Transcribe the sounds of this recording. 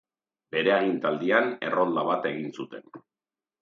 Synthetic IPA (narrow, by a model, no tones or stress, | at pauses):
be̞ɾe̞aɣint̪ald̪iane̞̰ro̞nd̪aβat̪e̞ɣinsut̪e̞n